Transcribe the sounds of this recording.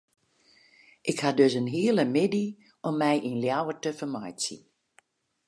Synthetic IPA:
ʔɪkhadøsənɦiːələmɪdi | ʔɔmːɛjʔinljawətəvəɹmɑjtsḭn

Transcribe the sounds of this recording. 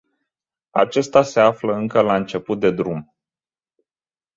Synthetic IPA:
a̰t͡ʃe̞st̪ase̞afləɨŋkəlaɨnt͡ʃe̞put̪̚d̪e̞d̪ɾum

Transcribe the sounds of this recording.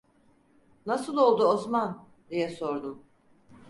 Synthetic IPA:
nasɯlˠo̞lˠd̪uozman | d̪ijɛso̞ɾd̪um

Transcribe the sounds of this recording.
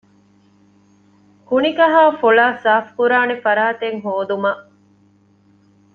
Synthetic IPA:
kunikɐɦaːfolaːsaːfkuɾaːnefɐɾaːt̪eŋɦoːd̪umɐʔ

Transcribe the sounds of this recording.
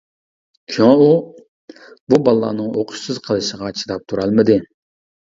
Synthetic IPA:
kʲʰiwɑu | bubɑlˠːɑ̰ːnɨŋoqʰʊ̥ʃsɨzqʰəlˠɨʃəʁɑt͡ʃʰi̥t̪ɑp̚t̪ʰuɾɑlˠmɨd̪ɪ

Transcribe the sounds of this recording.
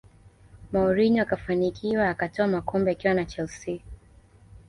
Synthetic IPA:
mauɾiɲɔakafanikʰiwaːkatɔamakɔmbɛakiwanat͡ʃɛlsi

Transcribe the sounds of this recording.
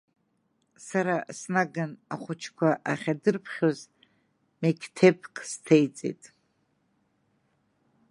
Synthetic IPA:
saɾasnaɡanaχʷʊt͡ʃʰkʷaʔaχʲadɨrpʰχʲoz | mekʲʰtʰepʰkʰʼstʰejt͡sʼḛjtʼ

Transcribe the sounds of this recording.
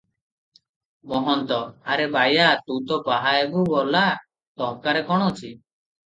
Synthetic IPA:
mɔɦɔnt̪ɔaɾebajat̪ut̪ɔpaɦaebubɔla | t̪ɔɦkaɾekɔɽ̃ɔut͡ʃʰi

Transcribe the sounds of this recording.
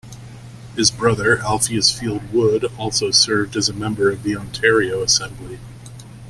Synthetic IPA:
hɨzbɹʌðə˞ʔælˠfiɨsfilˠd̚wʊɾɔlˠsoʊsɜ˞vdɨzɨmɛ̃mbə˞ʌvðiɑ̃ntʰɛɹioʊəsɛ̃mbli

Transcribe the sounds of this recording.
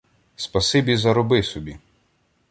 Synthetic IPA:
spɐsɪbʲizɐɾɔbɪsɔbʲi

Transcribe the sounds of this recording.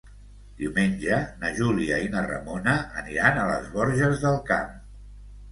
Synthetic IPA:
d̪̥iwmenʲd͡ʒənəʒuliəinərə̰monəʔːniɾanələ̰zβɔɾʒəzðəlˠkam

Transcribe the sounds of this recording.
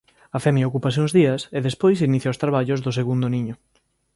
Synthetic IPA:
afɛmjaokupas̬ɪuŋzðiɐseðespojsiniθjaost̪ɾaβaʎʊzðʊs̬eɣund̪ʊniɲʊ

